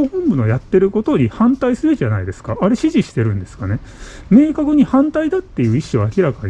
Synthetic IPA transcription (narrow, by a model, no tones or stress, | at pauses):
oɸɯ̟̃mbɯ̟no̞jat̪ːe̞ɾɯ̟ko̞t̪o̞ɲ̟ihãnt̪aisɨɾɯ̟ʑanaid̪e̞sɨ̥kaaɾe̞ɕiʑiɕi̥t̪e̞ɾɯ̟̃nd̪e̞sɨ̥kane̞ | me̞ːkakɯ̟ɲ̟ihãnt̪aid̪at̪ːe̞jɯ̟ːiɕːoβaːkʲiɾakaɲ̟i